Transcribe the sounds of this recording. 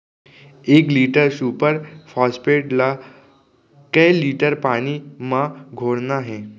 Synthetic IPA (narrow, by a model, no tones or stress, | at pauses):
eːkliːʈəɾsuːpəɾfʰɔːspeːʈla | kəjliːʈəɾpañimãɡʱoːɽnaɦɛ̃ː